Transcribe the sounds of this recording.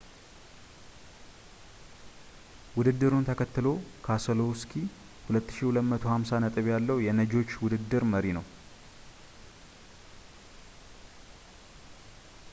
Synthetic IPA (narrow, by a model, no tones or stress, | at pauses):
wʊd̪ɨd̪ːɨɾunt̪ʰəkʰət̪ːɨlo̞kʰasəloskʰi | hulət̪ːɨ̥ʃihulət̪mət̪ʰo̞hamsanət̪ʼɨβjalːəwjɛnəd͡ʒo̞t͡ʃːwʊd̪ɨd̪ːɨɾməɾinəw